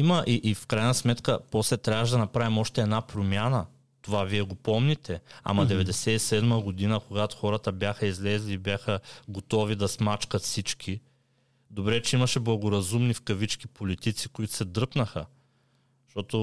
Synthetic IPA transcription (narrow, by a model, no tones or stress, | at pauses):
imɐʔiʔifkɾajnɐsmɛt̪kəpɔslɛt̪ɾjavəʃ̬ɛd̪ɐnɐpɾavimɔʃt̪ɛːd̪napɾomʲjanə | t̪ovaviɛɡopɔmnit̪ɛa̰mɐd̪ɛvɛd̪ɛsɛisɛd̪məɡod̪inəkoɡat̪ʊ̥xɔɾɐt̪əbʲjaxəizlɛzlʲiːbjaxəɡot̪ɔvid̪ɐsmat͡ʃkɐt̪fsit͡ʃkʰʲi | d̪obɾɛt͡ʃɛimɐʃɛblˠɐɡoɾɐzumnifkɐvit͡ʃk̟ipolit̪it̪sikoit̪ʊ̥sɛd̪ɾɤpnɐxə | ʃt̪ɔt̪o